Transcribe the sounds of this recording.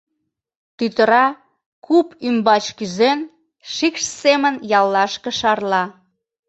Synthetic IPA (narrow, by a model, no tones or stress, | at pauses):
t̪yt̪əɾɑ | kʰupymbɑt͡ɕkyzen | ʃikʃsemənjɑlːɑʃkə̆ʃɑrlɑ